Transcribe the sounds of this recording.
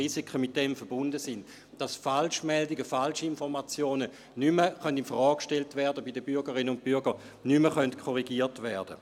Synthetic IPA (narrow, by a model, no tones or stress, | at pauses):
isikʰəmɪt̚d̥ɛmfəɐbʊndəsind | d̥ɑsfalʃmɛldiɡəfalʃiinfɔʁmat͡sjoːnə | nyməχœndinfʁɔːkkʃtɛltvɛɐdəbidəbyɐɡəʁɪnəʊnt̚b̥yɐɡə | nyməχœntkʰɔʁiɡiːɐtʋɛɐdə